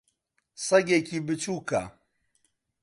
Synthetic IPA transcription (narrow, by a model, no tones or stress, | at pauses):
sɐɡekibɨt͡ʃuːka̰